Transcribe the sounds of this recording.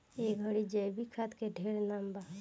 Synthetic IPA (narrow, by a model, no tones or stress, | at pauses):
ekɡʱəɽid͡ʒəjbikʰat̪keɖʱeːɽnaːmba